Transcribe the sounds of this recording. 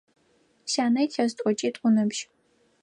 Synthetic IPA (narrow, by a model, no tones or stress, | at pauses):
saːnɐjtʲʰastʷʼɔt͡ʃʼitʼʷʊnɨbʒ